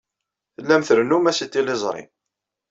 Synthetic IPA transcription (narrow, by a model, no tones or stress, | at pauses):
θəlːæmθəɾənumæsit̪ːilezˤɾˤɪ̰n